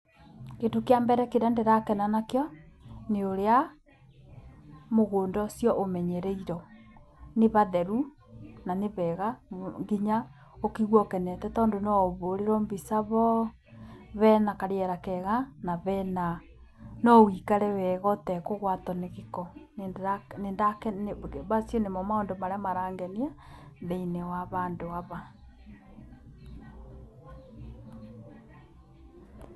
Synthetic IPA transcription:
ketokeambɛɾɛkeɾandeɾakɛnanakejɔneoɾea | moɣoːndɔsjɔʔomɛɲɛɾɛiɾɔ | neβaðɛɾu | naneβɛɣaŋɡiɲa | okiɣwɔkɛnɛtɛtɔːndonɔβoɾeɾɔmbisaβɔ | βɛnakaɾjɛɾakɛɣanaβɛna | nɔwikaɾɛwɛɣɔtɛkoɣwatɔneɣikɔneanendakɛneβasjɔnemɔmaondomaɾeamaɾaːŋɡɛniaðeinewaβaːndoaβa

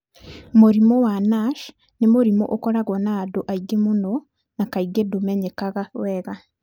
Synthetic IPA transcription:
moɾimowanaʃ | nemoɾimo̰ʔokɔɾaɣɔnaːdoʔaiɡemuno | nakaiɡedomɛɲekaɣawɛːɣa

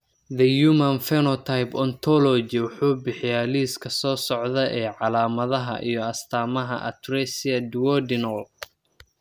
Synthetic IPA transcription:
ðɐjumɐnfɛnɔt̪ʰajpɔnt̪ʰɔlɔd͡ʒɪwʊħuːbɪħɪjaːliːskʰɐsɔːsɔʕðɐʔɛːʕɑlaːmɐðɐɦɐ̰ʔḭjɞɐst̪ʰaːmɐɦɐ̰ʔɐ̰t̪rɛsɪɐd̪wɔdɪnɐl

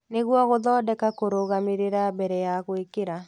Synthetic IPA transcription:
neɣwɔɣoðɔːdɛkakoɾoɣameɾeɾabɛɾɛjaɣwekeɾa

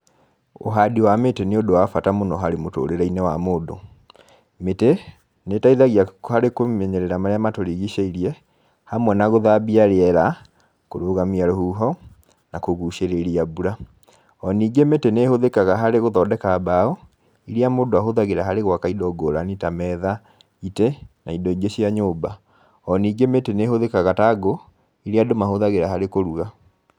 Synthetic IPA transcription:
o̰ɦadiwameteneodowafatamonɔɦaɾemoto̰ɾeɾɛinɛwamoːdo̰ | mete | netaiðaɣiahaɾekomɛɲɛɾɛɾamaɾeamatoɾiɣiʃaiɾiɛ | hamwɛnaɣoðabiaɾeɛɾa | koɾoɣamiaɾohuːɦɔ | nakoɣuʃeɾeɾiabuɾa | ɔniːɡemeteneːhoðekaɣaɦaɾeɣoðɔdɛkabaɔ | iɾiamoːdoaɦoðaɣeɾaɦaɾeɣwakaidɔɡoɾanitamɛða | itenaidɔiɡeɕiaɲoːba | ɔniːɡemetenehoðekaɣataɡo | iɾiadomahoðaɣeɾaɦaɾekoɾuɣa

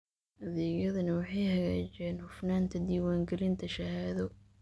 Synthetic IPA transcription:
ʔɐðɛːɣjɐðɐnɐwɑħɑjhɐɣaːt͡ʃɛːnhʊfnaːnt̪ʰɐd̪iːwaːŋɡɛlɪnt̪ʰɐʃɐhaːðɔ

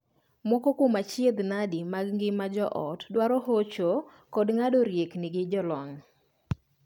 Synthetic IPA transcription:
mɔkokomat͡ʃjed̪nadimaɡŋɡɪmad͡ʒɔʔɔtdwaɾɔhot͡ʃo | kɔdŋadoɾjeknɪɡɪd͡ʒɔlɔŋ

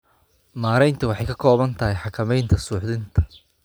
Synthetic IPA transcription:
maːɾɛjnt̪ʰɐwɑħɑjkʰɐkʰɔːβɐnt̪ʰɐɦɛjħɑkʰɐmɛjnt̪ʰɐsuːħðɪnt̪ʰɐ̥

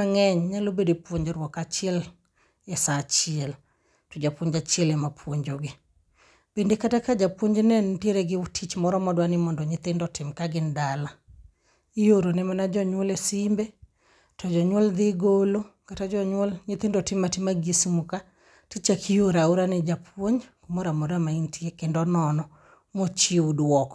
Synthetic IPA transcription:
aŋɛɲɲalobedepwoɲd͡ʒɾwɔkat͡ʃɪɛl | ɛsat͡ʃɪɛl | tɔd͡ʒapoɲd͡ʒat͡ʃiɛlɛmapʰwoɲd͡ʒoɡɪ | bendekatakad͡ʒapwoɲd͡ʒnɛntjeɾɛɡɪʊtʰit͡ʃmɔɾɔmɔdwanɪmɔndɔɲɪt̪ɪndɔtɪmkaɡɪndala | ijoɾonɛmanad͡ʒɔɲwolesimbe | tɔd͡ʒɔɲwɔld̪ɪɡolokatad͡ʒɔɲwɔlɲɪt̪ɪndɔtɪmːatɪmaɡesimuka | tit͡ʃakʰijoɾauɾanɛd͡ʒapwoɲkumɔɾamɔdamaintiekendɔnɔnɔ | mot͡ʃiudwɔkɔ̥

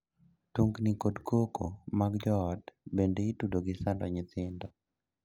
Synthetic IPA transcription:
tuŋɡnikodkoko̰maɡd͡ʒɔːdbendeitudoɡɪsandɔɲɪt̪ɪndɔ

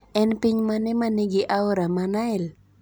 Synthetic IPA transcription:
ɛnpɪɲmanɪmaniɡɪʔaʊɾamanaɪl

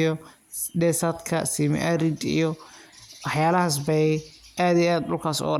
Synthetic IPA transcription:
jɔ | ɖɛsad̪kʰɐ̰siːmɛ̰ʔaɾid̪ḭjɔwɑħjaːlɐɦas̬bɛjɛʔaːðijaːd̪dʊlkʰaːsɔ̰ː

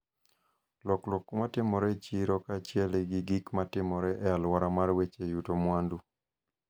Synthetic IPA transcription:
lɔklɔkmatɪmɔɾɛt͡ʃiɾɔkaːt͡ʃɪɛleɡɪɡikmatɪmɔɾɛʔɛalwaɾamarwet͡ʃejutomwandu

